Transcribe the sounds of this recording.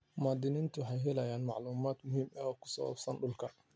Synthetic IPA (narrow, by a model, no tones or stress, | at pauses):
maːd̪ɪnɪnt̪ʰʊħɛjɦɛlɐjaːnmɑʕluːmaːd̪mʊɦiːmɛɔːkʰʊ̥sɐ̰wa̰bsɐnɖʊlkʰɐ